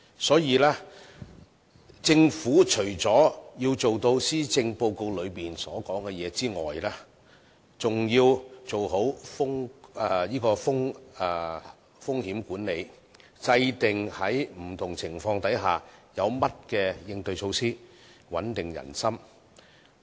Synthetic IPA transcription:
sɔː˨˥jiː˨˧lɛː˥ | t͡sɪ˧ŋfuː˨˥t͡ʃʰɵ˨˩ɥt͡sɔː˨˥jiː˧wt͡so˨wt̪o˧wsiː˥t͡sɪ˧ŋpo˧wko˧wlɵ˨˧ɥpiː˨nsɔː˨˥kɔː˨˥ŋkɛ˧jɛː˨˧t͡siː˥ŋɔ̰ː˨jlɛː˥ | t͡sʊ˨ŋjiː˧wt͡so˨wɦo˨˥wfʊ˥ŋɛ˨˧jiː˥kɔː˧fʊ˥ŋɛ˨˩ | fʊ˥ŋhiː˨˥mkuː˨˥nne˨˧j | t͡sɐ˧jt̪ɪ˨ŋhɐ˨˥jm̩˨˩t̪ʰʊ˨˩ŋt͡sʰɪ˨˩ŋfɔː˧ŋt̪ɐ˨˥jɦaː˨jɐ˨˧wmɐ˥t̚kɛː˧jɪ˧ŋt̪ɵ˧ɥsʰo˧wsiː˥ | wɐ˨˥nt̪ɪ˨ŋjɐ̰˨˩nsɐ˥m

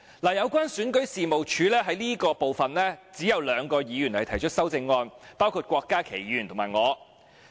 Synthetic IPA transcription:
laː˨˩jɐ˨˧wkʷwaː˥nsyː˨˥nkɵ˨˥ɥsiː˨mo˨wt͡ʃʰyː˨˧lɛː˥ɦɐ˨˥jniː˥kɔː˧po˨wfɐ˨nlɛː˥t͡siː˨˥jɐ˨˧wlœː˨˧ŋkɔː˧jiː˨˧jyː˨˩nhɐ˨˩jt̪ʰɐ˨˩jt͡ʃʰt̚sɐ˥wt͡sɪ˧ŋːɔː˧npaː˥wkʰuː˧t̚kʷɔː˧kːaː˥kʰe˨˩jiː˨jy˨˩nt̪ʰo˨˩maː˨˩jŋɔː˨˧

